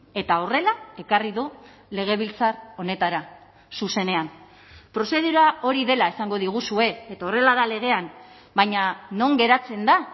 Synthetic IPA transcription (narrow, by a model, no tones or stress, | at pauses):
e̞t̪aore̞lae̞kariðu | le̞ɣ̞e̞β̞ilt͡saro̞ne̞t̪aɾa | suse̞ne̞am | pɾo̞se̞ðuɾao̞ɾiðe̞lae̞saŋɡo̞ðiɣ̞usue̞et̪ao̞re̞laðale̞ɣ̞e̞an | baɲano̞ŋɡe̞ɾat͡se̞nd̪a